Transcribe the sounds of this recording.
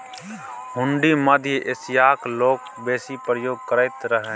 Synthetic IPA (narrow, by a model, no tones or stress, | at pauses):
ɦʊ̃ɳɖiməd̪ʱjeʔɪsjaːkloːk̚ | beːsipɾəjoːɡ̚kəɾaːɪt̪ɾəɦẽː